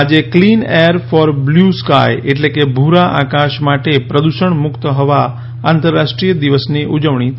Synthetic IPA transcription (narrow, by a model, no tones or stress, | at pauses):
d͡ʒeklineəɾfɔɾbljuska̰jeʈlekebʱuɾaʔakaʃmaʈepɾəd̪uʃəɳmʊkt̪ɦɔʋa | ãnt̪əɾːaʃʈɾijəd̪iʋəsniʔud͡ʒəʋɳ̃i